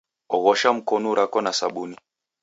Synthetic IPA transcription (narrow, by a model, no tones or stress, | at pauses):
ɔɣɔʃam̩kɔnuɾakɔnasaɓuni